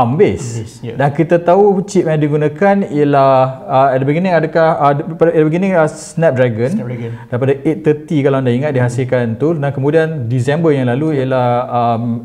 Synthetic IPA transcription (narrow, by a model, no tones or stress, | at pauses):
ambes | dankit̪at̪aut͡ʃiʔ̚mɛ̃diɡunãkanijəlaəɛʔdəbəɡinɪŋadəkahəpadɛdəbəɡinɪ̃ŋəsnɛp̚dɾaɡənd̥aɾipadaʔet̪ːət̪ikalawandaiŋat̪̚diɦasilkant̪udankəmudiandisɛmbəjãŋlaluiəlahəm